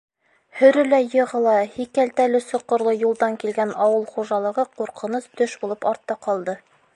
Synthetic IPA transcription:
hɵ̆ɾɘ̆læjɤ̆ʁɤ̆lˠɑhikælt̪ælɘsŏqːŏɾlˠɤjulˠd̪ɑŋkilɡænɒwɤlˠχuʒɑlˠɤ̆ʁɤquɾqɤ̆nɤst̪ɵʃbulˠɤpɒɾt̪ːɑqɒlˠd̪ɤ

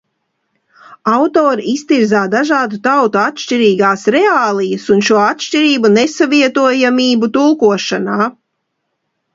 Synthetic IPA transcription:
awt̪oːɾiist̪iɾzaːd̪aʒaːd̪ut̪awt̪uat̪ʃt͡ʃiɾiːɡaːsɾɛaːlˠijɐsunʃuɔat̪ʃt͡ʃiɾiːbunesaviɛt̪uɔjamiːbut̪ulˠkuɔʃanaː

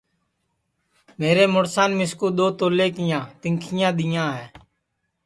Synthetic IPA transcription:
meːɾeːmʊɽsaːnmɪskuːɗ̪oːt̪oːleːkɪjãːt̪ɪŋkʰɪjãːɗ̪ɪjãːɦɛ̃ː

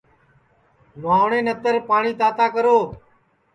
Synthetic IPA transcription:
mãːʋɳẽːnət̪əɾpaːɳiːt̪aːt̪aːkəɾoː

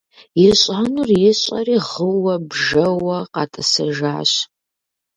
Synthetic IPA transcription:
jɪrɕʼanuːrjɪɕʼɐ̰riːʁəwɐbʒɐwɐqɑːtʼɐsɐʒaːɕ

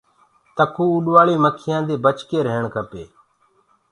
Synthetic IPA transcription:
t̪əkʰuːuɗʋaːɭiːməkʰɪjãːd̪eːbət͡ʃkeːɾeɳkʰəpḛː

